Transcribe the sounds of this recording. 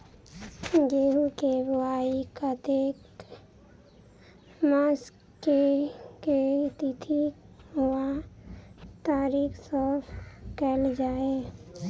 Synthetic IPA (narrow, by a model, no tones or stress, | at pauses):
d͡ʒeːɦukebaːikat̪ek | maːs | keket̪it̪ʰi | ɦua | t̪aːɾiːksɔːpʰkɛːld͡ʒaːe